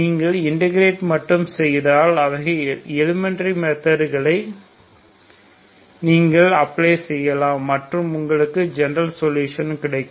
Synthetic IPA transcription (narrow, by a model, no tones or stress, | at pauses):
niːŋɡɐɭɪɳɖɪɣɾeːʈmɐʈːɯmsɛjðaːlɐʋɐɣɐɛlɪmɪnɐɾimeːt̪ːɐɾɣɐɭɐɪ | niːŋɡɐɭɐpːɭeːsɛjːɐlaːɐʈrɯmʊŋɡɐɭɯkːɯd͡ʒɛnɐɾɐlsɔljuːʂɐnkɪɽɐɪkːɯm